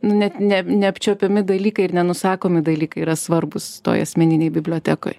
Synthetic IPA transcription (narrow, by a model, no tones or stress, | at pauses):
nʊnʲɛt̪nʲɛnʲɛɐpʲt͡ʃʲoːpʲɛmʲɪd̪ɐlʲiːkɐɪɪrnʲɛnʊsɑːkoːmʲɪd̪ɐlʲiːkɐɪiːɾɐsʋɐrbʊst̪o̰ːjɐ̰sʲmʲɛnʲɪnʲɛɪbʲɪbʲlʲoːt̪ʲæːko̰ːj